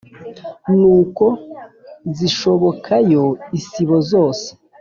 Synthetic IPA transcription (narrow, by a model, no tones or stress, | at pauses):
nuːko̞ | ziʃo̞βo̞kʰajo̞isiβo̞zo̞ːse̥